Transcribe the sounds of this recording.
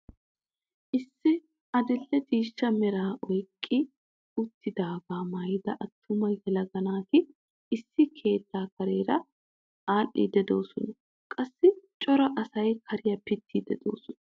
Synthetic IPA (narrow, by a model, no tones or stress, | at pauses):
ʔɪsːɪ | ʔɐd̪ɪlːɛd̪iːʃːɐmɛɾaːʔɔjkʼːɪ | ʊt̪ːɪd̪aːbaːmɐjɪd̪ɐʔɐt̪ːʊmɐjɛlɐɡɐnaːkɪ | ɪsːɪkʰe̞ːt̪ːaːkɐɾeːɾɐ | ʔaːʔːḭd̪ɛd̪o̞̰ːsɔnɐ | kʼɐsːɪt͡ʃʼɔɾɐʔɐsɐjkʰɐɾɪjɐpɪt̪ːid̪ɛd̪o̰ːsɔnɐ